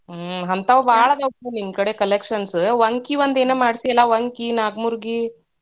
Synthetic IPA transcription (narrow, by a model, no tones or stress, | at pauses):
ɦɐnt̪ɐʋʋaːɭɐd̪ɐeninkɐɽekɐlekʂɐnsʋɐŋkiʋɐnd̪eːneːmaːɽsiɛlaʋɐŋkinaːɡmuɾɡi